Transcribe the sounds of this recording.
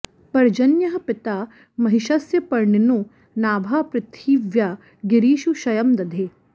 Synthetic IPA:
pɐɾd͡ʒɐnjɐɦɐpɪt̪aː | mɐɦiʃɐsjɐpɐɾɳinu | naːbʱaːpɾɪt̪ʰːiːʋjaː | ɡɪɾiːʃuʃɐjɐmd̪ɐd̪ʱeː

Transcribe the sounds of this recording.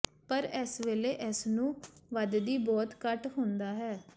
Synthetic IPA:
pəɾɛsʋeːleːʔɛsnũːʋəd̪d̪iːbɔːt̪kəʈɦʊ̃nd̪aːɦɛː

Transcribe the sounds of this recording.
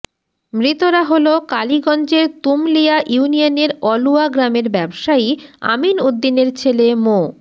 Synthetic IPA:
mɾit̪oɾaɦolokaliɡɔnd͡ʑeɾt̪umlijaʔjunijaneɾɔluaɡɾameɾbɛbʃaia̰minud̪ːineɾt͡ɕʰelemo

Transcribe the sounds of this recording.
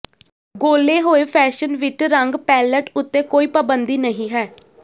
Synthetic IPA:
ɡoːleːɦoːeːpʰɛːʃənʋɪʈɾəŋɡpɛːləʈʊt̪ːeːkoːiːpəbənd̪iːnəɦĩːɦɛː

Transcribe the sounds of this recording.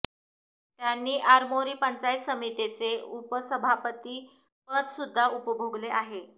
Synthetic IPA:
t̪janːiːʔaɾmoɾiːpənt͡saj̪səmit̪et͡seupəsəbʱapət̪iː | pət̪sud̪ʱːaupəbʱoɡleaɦe

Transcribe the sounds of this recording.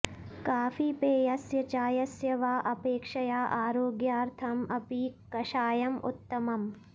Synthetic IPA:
kaːfipeːjɐsjɐt͡ʃaːjɐsjɐʋaːʔɐpeːkʂɐjaːʔaːɾoːɡjaːɾt̪ʰɐmɐpikɐʃaːjɐmṵt̪ːɐmɐm

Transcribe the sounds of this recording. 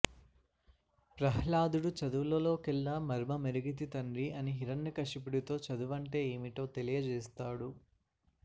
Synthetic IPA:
pɾɐɦɭaːd̪uɽut͡ʃɐd̪uʋlɐlo̞ːkilnɐmɐɾmɐmeɾɐɡit̪̬it̪ɐɳɾiɐniɦiɾɐnːɐkɐʂipiɽit̪o̞ːt͡ʃɐd̪uʋɐɳʈe̞ːeːmiʈ̪o̞ːt̪e̞lijɐd͡ʒɛːst̪aːɽu

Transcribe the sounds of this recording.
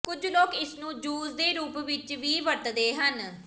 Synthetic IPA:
kʊd͡ʒloːkɪsnũːd͡ʒuːzd̪eːɾuːpʋɪt͡ʃʋiːʋəɾt̪d̪eːɦən

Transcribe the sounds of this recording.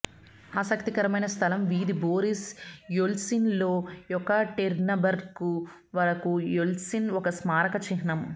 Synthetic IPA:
aːsɐkt̪ikɐɾɐmɐjnɐst̪ʰɐlɐmʋiːd̪iboːɾisjolsinloːjɔkːɐʈeɾnɐbɐɾku | ʋɐɾɐkujolsinɔkɐsmaːɾɐkɐt͡ʃiɦɳɐm

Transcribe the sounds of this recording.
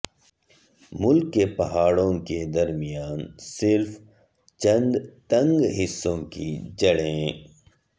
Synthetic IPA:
mʊlkːepɐɦaːɽõːked̪ɐɾmijaːnsɪɾf | t͡ʃɐ̃nd̪t̪ɐ̃ŋɡɦɪsːõːkḭd͡ʒɐɽẽː

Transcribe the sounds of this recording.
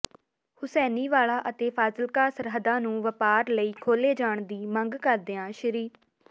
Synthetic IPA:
hʊsɛːniːʋaːlaːʔət̪eːpʰaːzəlkaːsəɾɦəd̪ãːnũːʋəpaːɾləiːkʰoːleːd͡ʒaːɳd̪iːməŋɡkəɾd̪ɪãːʃəɾiːɾ

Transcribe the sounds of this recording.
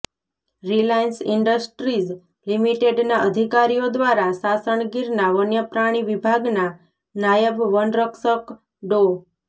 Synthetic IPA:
ɾilajənsɪɳɖəsʈɾid͡ʒ | limiʈeɖnaʔəd̪ʱikaɾijod̪ʋaɾasasəɳ̃ɡiɾnaʋənjəpɾaɽ̃iʋibʱaɡna | najəbʋənɾəksək | ɖo

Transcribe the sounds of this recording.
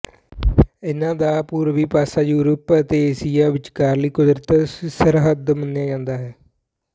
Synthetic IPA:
ɪnãːd̪aːpuːɾʋiːpaːsaːjuːɾəpət̪eːeːsijaːʋɪt͡ʃkaːɾləiːkʊd̪ɾət̪səɾɦəd̪mənːjaːd͡ʒãːnd̪aːɦɛː

